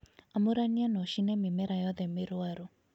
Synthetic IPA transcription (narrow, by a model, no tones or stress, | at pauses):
amʊɾanianɔʃinɛmɪmɛɾajɔðɛmɪɾʊaɾɔ